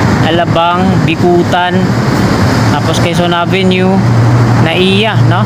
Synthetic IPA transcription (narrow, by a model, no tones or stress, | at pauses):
ʔɐlɐbaŋ | bɪkuːt̪an | t̪aːposkɐjsonavɛnjʊ | nɐʔiːjano